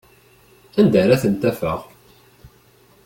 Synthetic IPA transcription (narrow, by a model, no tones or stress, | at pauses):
ænd̪æɾæθənt̪æfə̰ʁ